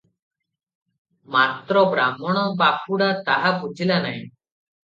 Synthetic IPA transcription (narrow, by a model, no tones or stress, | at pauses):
mat̪ɾɔbɾamɔɽ̃ɔbapʰuɽat̪aɦabʱud͡ʒilanaĩ